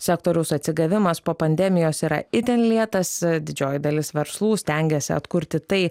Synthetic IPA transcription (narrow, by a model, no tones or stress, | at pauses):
sʲɛkt̪oːɾʲɛʊsɐt̪ʲsʲɪɡɐʋʲɪmɐspoːpɐnʲd̪ʲɛmʲɪjoːsiːɾɐ̰ɪt̪ʲɛnlʲiɛt̪ɐsd̪ʲɪd͡ʒʲoːjɪd̪ɐlʲɪsʋʲɛɾslˠuːsʲt̪ʲɛŋʲɡʲɛsʲɪɐ̰t̪kʊɾʲt̪ʲɪt̪ɐɪ